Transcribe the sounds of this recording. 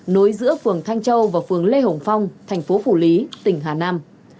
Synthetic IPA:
no˨˦jzɨ̰˧˥əfɨ˨˩əŋt̪ʰa˧ŋ̟t͡ɕə˧wvaː˨˩fɨ˨˩əŋle˧ɦo˨˩ŋ͡mfa˧wŋ͡mt̪ʰɛ˨˩jŋ̟fo˨˦fu˧˩li˨˦t̪ï˨˩ŋ̟ɦaː˨˩naː˧m

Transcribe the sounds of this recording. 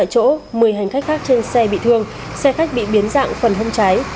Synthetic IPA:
a̰˧˨jt͡ɕo̰˧˥mɨ˨˩əjɦa˨˩jŋ̟xa˦˥k̟xaː˦˥k̚t͡ɕe˧nsɛ˧ɓḭ˧˨t̪ʰɨ˧əŋ | sɛ˧xa˦˥k̟̚ɓḭ˧˨ɓi˨˦ənza̰ː˧˨ŋfə˨˩nɦə˧wŋ͡mt͡ɕa˨˦j

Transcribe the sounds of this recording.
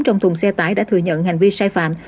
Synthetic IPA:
t͡ɕɔ˧wŋ͡mt̪ʰʊ˨˩ŋ͡msɛ˧t̪aː˧˦jɗa̰ː˧˥t̪ʰɨ̰˨˩ɲə̰˧˨nha˨˩jŋ̟vi˧saː˧jfa̰ː˧˨m

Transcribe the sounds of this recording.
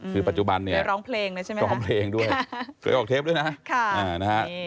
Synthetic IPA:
kʰɯː˧pa˨˩t̪̚t͡ɕu˨ba˧nːi˥˩ɐ˧ɾɔː˦˥ŋpʰleː˧ŋna˦˥t͡ɕʰa˥˩jm˦ɾɔː˦˥ŋpʰleː˧ŋdu˥˧˩əjʰlḛː˧ʔɔː˨˩k̚t̪ʰeː˦˥p̚du˥˩jna˦˥kʰa˥˩ʔaː˧˩na˦˥ka˦˥ʔ

